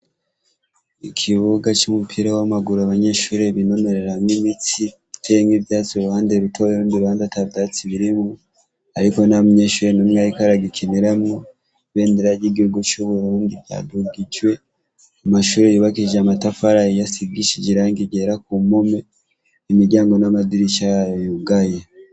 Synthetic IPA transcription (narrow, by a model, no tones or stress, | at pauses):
ikʰiβuɡat͡ʃumupʰiɾawamaɡuɾoaβaɲe̞ʃuːɾe̞βino̞me̞ɾeɾamnimit͡si | itʰemivjaːt͡suɾuhaːndeɾutʰojeɾuːndiɾuhaːndatabdat͡siβiɾimu | aɾiko̞namuɲeʃuːɾe̞nomŋajikaɾaɡikʰeneɾamŋo | βe̞ːndeɾaɟiɡihuɡot͡ʃuβuɾuːnɡija̰duɡiɟwe̞ | amaʃuːɾejiβakiʒamatafaɾaijasiɡiʃiɟiɾaːŋɡiɟeɾak̚umome | imiɾɟaːŋɡo̞namadiɾit͡ʃajjojuɡaja